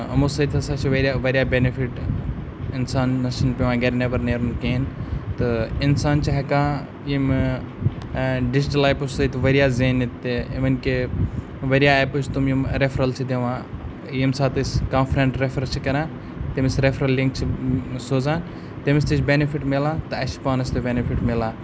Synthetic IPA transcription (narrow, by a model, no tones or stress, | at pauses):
ɐmusɐt̪ʰiɐsaːt͡ʃʰiʋɐɾʲaʋɐɾʲijaːbenifʰiʈ | ɪnsaːnːɐʃɐnpʲeʋãːɡɐɾnebɐɾneːɾunkeːnt̪ɨɪnsaːnt͡ʃʰiɦɐkãː | jim | ɖɪd͡ʒiʈɐlaːjpussɐt̪ʰiʋɐɾjaːzeːnit̪ːeʋɐnke | ʋɐɾijaput͡ʃʰt̪umjimɾefɾɐlt͡ʃʰid̪eʋãː | jimsaːt̪ɨsʲkãːnfɾeɳʈɾefɾɐt͡ʃʰikɐɾãː | t̪emisɾefɾɐlliŋk̚t͡ʃʰisoːzãːn | t̪emist̪it͡ʃʰbenifʰiʈmelãːt̪ɨɐʃpaːnɐst̪obenifʰiʈmelãː